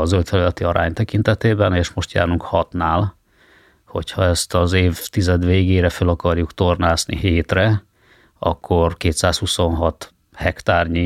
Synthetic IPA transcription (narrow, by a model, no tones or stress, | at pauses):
ɒzølt̪fɛlylɛt̪iɒɾʔa̰ːɲt̪ɛkint̪ɛt̪eːbɛneːʃmo̞ʃt̪ja̰ːɾuŋkhɒt̪naːl | ho̞̰chɒɛst̪ɒzeːvt̪izɛd̪ʋeːɡeːɾɛfølɒkɒrjukt̪o̞rnaːznḭɦeːt̪rɛ | ɒ̰kʰːo̞rkeːt̪saːshuso̞nɦɒt̪ | hɛkt̪aːrɲi